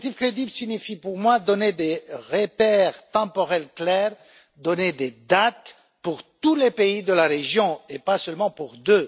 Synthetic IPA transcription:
t̪ivkχed̪iblsinifipuʁmwad̪ɔned̪eʁepɛʁt̪ɑ̃pɔʁɛlklɛʁ | d̪ɔned̪ed̪at̪ | puʁt̪ulepeid̪əlaʁeʒjɔ̃epasœlmɑ̃puʁd̪ø

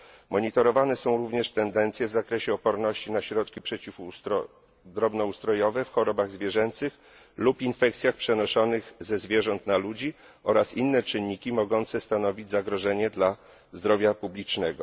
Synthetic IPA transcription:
mɔɲit̪ɔɾɔvanɛsɔ̃w̃ɾuvɲɛʂt̪ɛnd̪ɛnt̪sʲjɛvzakɾɛɕɛɔpɔɾnɔɕt͡ɕinaɕɾɔt̪kʲipʂɛt͡ɕifut̪ɔ | d̪ɾɔbnɔust̪ɾɔjɔvɛfxɔɾɔbaɣzvʲjɛʐɛnt̪sɘx | lupinfɛk̚t̪sʲjaxpʂɛnɔʂɔnɘɣzɛzvʲjɛʐɔnt̪nalud͡ʑi | ɔɾasinːɛt͡ʂɘnːikʲimɔɡɔnt̪sɛst̪anɔvʲid͡ʑʲzaɡɾɔʐɛɲɛd̪la | zd̪ɾɔvʲjapublʲit͡ʂnɛɡɔ̰

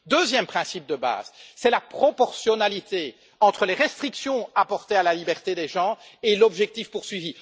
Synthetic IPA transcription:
d̪øzjɛmpχɛ̃sip̚d̪əba̰ːzsɛlapχɔpɔʁsjɔnalit̪e | ɑ̃t̪χəleʁɛst̪χiksjɔ̃apɔʁt̪ealalibɛʁt̪ed̪eʒɑ̃elɔbʒɛk̚t̪ifpuʁsɥivi

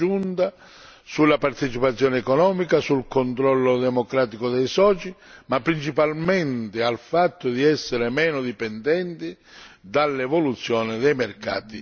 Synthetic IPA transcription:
unt̪a | sulːapart̪ɛt͡ʃipat̪sːjɔːnɪɛkɔnɔːmikasulkont̪ɾɔlːʊd̪ɛmokɾaːt̪ikʊd̪ɛjsɔt͡ʃimapːɾint͡ʃipalmɛnt̪ɪalfat̪ːʊd̪iɛsːɪɾɪmɛːnʊd̪ipɛnd̪ɛnt̪ɪ | d̪alːɛvɔlut̪sːjɔːnɪd̪ɛjmɛrka̰ːt̪i

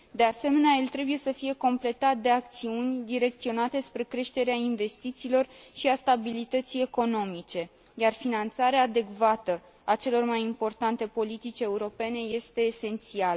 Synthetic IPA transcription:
d̪e̞ase̞me̞neajelt̪ɾe̞buje̞səfije̞ko̞mple̞t̪at̪̚d̪e̞ak̚t̪siunʲd̪iɾe̞k̚t̪sio̞nat̪e̞spɾe̞kɾe̞ʃt̪e̞ɾeainve̞st̪it̪siːlo̞rʃiast̪abilit̪ət̪sije̞ko̞no̞mit͡ʃe̞ | jarfinant̪saɾeaːd̪e̞ɡvat̪ə | at͡ʃe̞lo̞rmajimpo̞rt̪ant̪e̞po̞lit̪it͡ʃʲe̞uɾo̞pe̞ne̞je̞st̪e̞ːse̞nt̪sialə

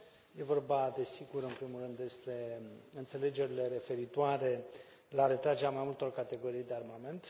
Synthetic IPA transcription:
je̞vo̞rbad̪e̞siɡuɾɨnpɾimulrɨnd̪ːe̞spɾe̞ɨnt̪se̞le̞d͡ʒe̞ɾile̞ɾe̞fe̞ɾit̪oaɾe̞ | laɾe̞t̪ɾad͡ʒeɾamajmult̪o̞rkat̪e̞ɡo̞ɾijd̪e̞armame̞nt̪

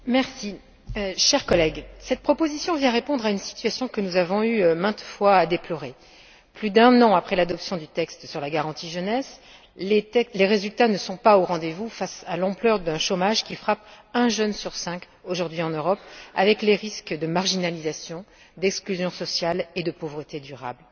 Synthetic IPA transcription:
mɛʁsi | ʃɛʁkɔlɛɡsɛt̪̚pχɔpozisjɔ̃vjɛ̃ʁepɔ̃d̪ʁaynsi̥t̪ɥasjɔ̃kənuzavɔ̃ymɛ̃t̪fwaːd̪eplɔʁe | plyd̪ɛ̃nɑ̃apχɛlad̪ɔpsjɔ̃d̪yt̪ɛkst̪syʁlaɡaʁɑ̃t̪iʒənɛs | leɛleʁezylt̪anəsɔ̃paoʁɑ̃d̪evufasalɑ̃plœʁd̪ɛ̃ʃomaʒkʲifχapɛ̃ʒœnsyʁsɛ̃k | oʒuʁd̪ɥiɑ̃nøʁɔpa̰vɛkleʁiskd̪əmaʁʒinalizasjɔ̃ | d̪ɛksklyzjɔ̃sɔsjaled̪əpovʁət̪ed̪yʁa̰bl

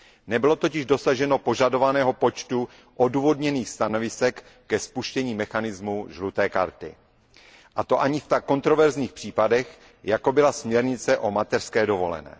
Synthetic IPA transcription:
nɛbɪlo̞t̪o̞cɪʒdosaʒɛno̞po̞ʒado̞vanɛːɦo̞po̞t͡ʃt̪u | ʔoduːvo̞dɲɛniːxst̪ano̞vɪsɛkː | ɛspuʃcɛɲiːmɛxanɪzmuʒlut̪ɛːka̰ɾt̪ɪ̰ | ʔat̪o̞ʔaɲɪft̪akːo̞nt̪ɾo̞vɛɾzɲiːxpr̥iːpadɛx | jako̞bɪlasmɲɛɾɲɪt͡sɛʔo̞mat̪ɛr̥skɛːdo̞vo̞̰lɛ̰nɛ̰ː

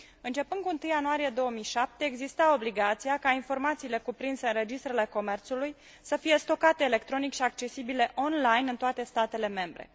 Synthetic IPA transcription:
ɨnt͡ʃe̞pɨnd̪kuɨnt̪ɨjːanuaɾije̞d̪o̞wəmijʃap̚t̪e̞ːɡzist̪ao̞bliɡat̪sijakainfo̞rmat̪siːle̞kupɾinseɨnɾe̞d͡ʒist̪ɾe̞le̞ko̞me̞rt̪suluj | səfije̞st̪o̞kat̪e̞ːle̞kt̪ɾo̞nikʃiak̚t͡ʃe̞sibile̞ʔo̞nlajnɨnt̪oat̪e̞st̪at̪e̞le̞me̞mbɾḛ

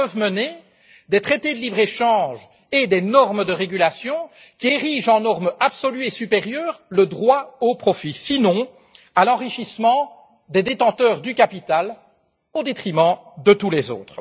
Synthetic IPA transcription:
pəvməne | d̪et̪χet̪ed̪əlibʁeʃɑ̃ːʒ | ed̪enɔʁməd̪əʁeɡʲylasjɔ̃ | kʲieʁiʒɑ̃nɔʁmapsɔlyesypeʁjœːʁləd̪ʁwaopχɔfisinɔ̃ | alɑ̃ʁiʃismɑ̃ | d̪ed̪et̪ɑ̃t̪œːʁd̪ykapit̪al | od̪et̪χimɑ̃d̪ət̪ulɛzo̰ːt̪χ

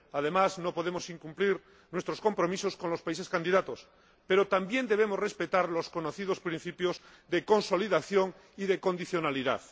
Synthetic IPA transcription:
að̞e̞mazno̞po̞ð̞e̞mo̞siŋkumpliɾ | nwest̪ɾo̞sko̞mpɾo̞miso̞sko̞nlo̞spaise̞skand̪iðat̪os | pe̞ɾot̪ambje̞nd̪e̞β̞e̞mosre̞spe̞t̪aɾlo̞sko̞noθið̞ospɾĩn̟θipjoz | ðeko̞nso̞liðaθjoŋ | iðe̞ko̞nd̪iθjo̞naliða̰θ

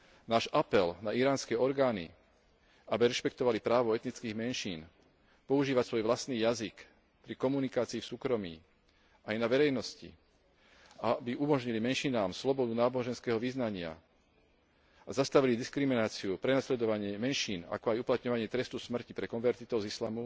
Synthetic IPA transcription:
naːʒapɛlnaiɾaːnskɛɔɾɡaːnḭ | abiɾɛʃpɛkt̪ɔʋalipɾaːʋɔɛt̪nit͡skiːɣmɛnʃiːn | pɔuʒiːʋacsʋɔjʋlast̪niːjazik | pɾikɔmunikaːt͡siːfsuːkɾɔmḭː | ajnaʋɛɾɛjnɔscḭ | abiumɔʒɲilimɛnʃinaːmslɔbɔd̪unaːbɔʒɛnskɛːɦɔʋiznaɲɪa̰ | azast̪aʋilid̪iskɾiminaːt͡siupɾɛnaslɛd̪ɔʋaɲɪɛmɛnʃiːna̰kɔajuplat̪ɲɔʋaɲɪɛt̪ɾɛst̪usmr̩cipɾɛkɔnʋɛɾt̪it̪ɔʊzislaːmu

